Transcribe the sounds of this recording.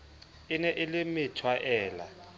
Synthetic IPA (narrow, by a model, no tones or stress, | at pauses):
ɪnɛʔɪlɪmɪtʰwaʔɛːla̰